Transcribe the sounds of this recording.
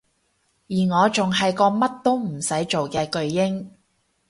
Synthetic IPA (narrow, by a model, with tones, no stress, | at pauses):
jiː˨˩ŋɔː˨˧t͡sʊ˨ŋɦɐ˨jkɔː˧mɐ˥t̚t̪o˥wm̩˨˩sɐ˨˥jt͡ʃo˨wkɛː˧kɵ˧ɥjɪ˥ŋ